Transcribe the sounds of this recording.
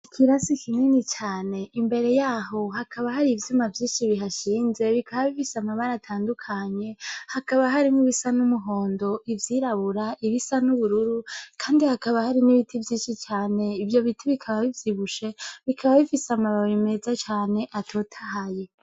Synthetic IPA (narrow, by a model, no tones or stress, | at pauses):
ikʰiɾasikʰinenit͡ʃaːne̞imbe̞ɾe̞jaːɦo̞ɦakʰaβaɦaɾivjumavjiːʃiβiɦaʃiːnze̞βikʰaβaβifisamaβaɾatʰaːndukʰaɲe̞hakaβaɦaɾimuβisanumuɦo̞ːndo̞ʔivjiːɾaβuɾaʔiβisanuβuɾuɾukʰaːndihakaβahaɾiniβitʰivjiːnʃit͡ʃaːne̞ivjo̞βitʰiβikʰaβaβivjiβuʃe̞βikʰaβaβifisamaβaβime̞zat͡ʃaːne̞ʔatʰo̞ːtʰaɦaje